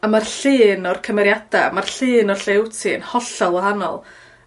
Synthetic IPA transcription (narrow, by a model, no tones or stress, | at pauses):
amarɬɨːnɔrkʰəmɛɾjad̥amarɬɨːnɔrɬewtʰinhɔɬɔlˠɔhanɔ̰lˠ